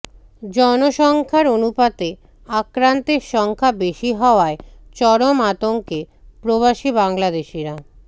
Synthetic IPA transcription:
d͡ʑɔnoʃɔŋkʰaɾonupat̪e | akɾant̪eɾʃɔŋkʰabeʃiɦɔoaet͡ɕɔɾomat̪oŋke | pɾoβaʃibaŋlad̪eʃiɾa

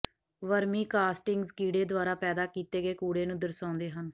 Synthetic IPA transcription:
ʋəɾmĩːkaːsʈɪŋɡzkiːɽeːd̪ʊaːɾaːpɛːd̪aːkiːt̪eːɡeːkuːɽeːnũːd̪əɾsãːnd̪eːɦən

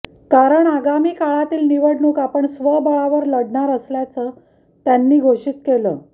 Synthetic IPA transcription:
kaɾəɳaɡamiːkaɭat̪iːlniʋəɽnuːkapəɳsʋəbəɭaʋəɾləɽɳaɾəsljat͡səː | t̪janːiːɡʱoʂiːt̪keləː

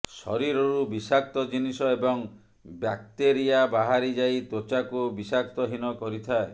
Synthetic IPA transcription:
sɔ̰ɾiɾɔɾubisak̚t̪ɔd͡ʒinisɔebɔŋ | bjak̚t̪eɾijabaɦaɾid͡ʒait̪ot͡ʃakubisak̚t̪ɔɦinɔkɔɾit̪ʰae

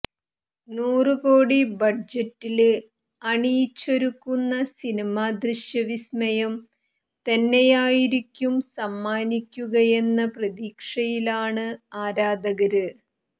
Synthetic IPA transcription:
nuːrɨko̞ːɽibɐd͡ʑɐtːil | ɐɳijt͡ɕːoɾukːunːɐsinimaːd̪riɕjɐʋismɐjɐm | t̪enːejaːjiɾikʲːumsɐmːaːnikʲːuɣɐje̞nːɐprɐd̪iːkʂɐjilaːɳɨaːɾaːd̪ɐɣɐɾɨ

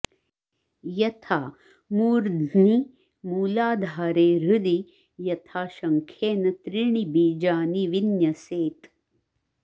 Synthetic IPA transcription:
jɐt̪ʰaː | muːɾd̪ʱni | muːlaːd̪ʱaːɾeːɾud̪i | jɐt̪ʰaːʃɐŋkʰjeːnɐt̪ɾiɳibiːd͡ʒaːniʋinjɐseːt̪

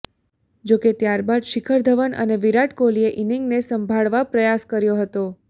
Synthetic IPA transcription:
d͡ʒoket̪jaɾbad̪ʃikʰəɾd̪ʱəʋənʔə̰neʋiɾaʈkolieʔiniŋɡnesəmbʱaɭʋapɾəjaskəɾjoɦət̪o

